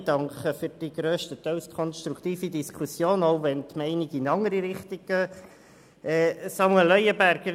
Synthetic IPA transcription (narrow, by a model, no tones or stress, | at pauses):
d̥ɑŋkχəfyɾd̥iɡ̥ɾøːʃtət̪œwskʰχɔnst̪ɾukt̪iːfidiskʰusjoːnoʊvɛnt̪mɛɪniɡɪnɑŋəɾiɾɪχtiɡ̥̚ɡ̥øː | ʔɛːsɑmuɛlœjəbæɾɡ̥əɾ